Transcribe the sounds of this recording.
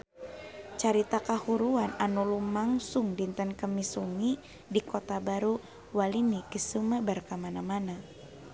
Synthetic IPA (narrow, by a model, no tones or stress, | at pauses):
t͡ʃaɾit̪akahuɾuananulumaŋsuŋdint̪ənkəmisuŋi | dikot̪abaɾu | walinikisuməbərkamanamana